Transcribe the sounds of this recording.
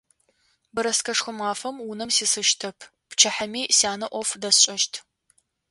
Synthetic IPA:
bɨɾɐskʰɐʂxʷʊmaːfɐmwʊnɨmsiːsɨʃtʰɐpʰ | pt͡ʃʰɐħɐmiːsaːnɐʔʷɔfdɐsɕʼɐʃtʰ

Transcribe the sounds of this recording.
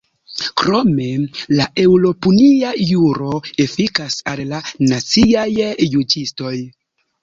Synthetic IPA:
kɾo̞me̞lae̞wlo̞puniajuɾo̞efikasallanat͡siajjud͡ʒisto̞j

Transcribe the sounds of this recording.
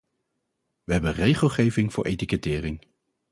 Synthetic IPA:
ʋəɦɛbənrejχəlˠχejvɪŋv̥ʊ̰ːɹʔḛjtikətɪːrɪŋ

